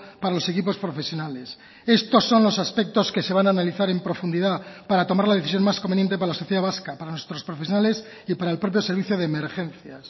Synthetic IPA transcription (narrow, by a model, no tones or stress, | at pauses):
paɾalo̞se̞kipo̞spɾo̞fesjo̞nale̞s | e̞st̪o̞sːo̞nlo̞saspek̚t̪o̞ske̞se̞βanaːnaliθaɾe̞mpɾo̞fund̪iðapaɾat̪o̞maɾlað̞e̞θis̬jo̞maskombenje̞nt̪ep̬aɾalasoθjeðaβaskapaɾanwe̞st̪ɾo̞spɾo̞fes̬jonale̞s | ipaɾaelpɾo̞p̬jose̞ɾβiθjoðeːmeɾxẽ̞nθjas